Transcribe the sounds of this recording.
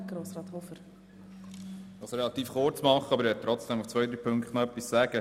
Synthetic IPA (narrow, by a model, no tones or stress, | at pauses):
ɡ̥ɾoːsɾɑːt̪hofəɾ | d̪ɑːsɾɛlɑt̪iːfχʊɾt͡smɑχəɑbəɾʋɛːt̪ɾɔt͡sd̥ɛmuft͡svœjd̪ɾiːpʰɵŋktnoœpːissæːɡ̥ə